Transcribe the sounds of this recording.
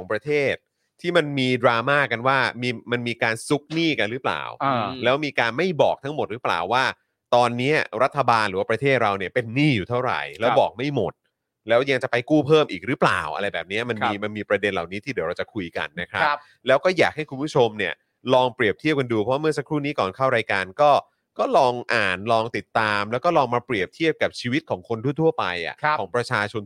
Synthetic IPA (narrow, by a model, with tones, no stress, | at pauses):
kʰɔː˨˩˦ŋpɾa˧t̪ʰeː˥˩t̪̚ʰː | iː˥˩ma˧nmiː˧dɾaː˧maː˥˩kːa˧nwaː˥˩miː˧ma˧nmiː˧kaː˧nsu˦˥k̚niː˥˩ka˧nɾɯ˦˥pla̰ː˨˩wlɛː˦˥wmiː˧kaː˧nma˥˩jbɔː˨˩k̚t̪ʰa˦˥ŋmo˨˩t̪̚ɾɯː˦˥pla̰ː˨˩wːaː˥˩ | t̪ɔː˧nːiː˦˥ɐɾa˦˥t̪ʰːa˧baː˧nlɯ˩˦waː˥˩ɾa˧t̪ʰeː˥˩t̪̚ɾa˧wni˥˩ɐpe˧nːiː˥˩juː˨˩t̪ʰa˥˩wɾa̰˨˩jlɛː˦˥wbɔː˨˩k̚ma˥˩jmo˨˩t̪̚ | lɛː˦˥wja˧ŋt͡ɕa˨˩pa˧jkuː˥˩pʰɤː˥˩mʔiː˨˩k̚ɾɯː˦˥pla̰ː˨˩wʔa̰˧ɾa˧jbɛː˨˩p̚ni˦˥ɐma˧niː˧ma˧nmiː˧pɾa˧de˧nla˨˩wniː˦˥t̪ʰiː˥˩di˨˦wɾa˧wt͡ɕa˨˩kʰu˧jka̰˧nːa˦˥kʰɾa˦˥ | lɛː˦˥wkɔː˥˩jaː˨˩k̚ha˥˩jkʰu˧mpʰu˥˩o˧mni˥˩ɐ | lɔː˧ŋpɾi˨˩əp̚t̪ʰi˥˩əp̚ka˧nduː˧pʰɔ˦wa˥mɯ˥ɐsa˦˥kʰɾuː˥˩niː˦˥kɔː˨˩nkʰa˥˩wɾaː˧jkaː˧nkɔː˥˩ | kɔː˥˩lɔː˧ŋʔaː˨˩nlɔː˧ŋt̪i˨˩t̪ːaː˧mlɛː˦˥wkɔː˥˩lɔː˧ŋmaː˧pɾi˨˩əp̚t̪ʰi˥˩əp̚ka˨˩p̚t͡ɕʰiː˧wi˦˥t̪̚kʰɔː˩˦ŋkʰo˧nt̪ʰu˥˩t̪ʰu˥˩ɐpa˧jʔa̰˨˩˦ɔː˩˦ŋpɾa˧t͡ɕʰaː˧t͡ɕʰo˧n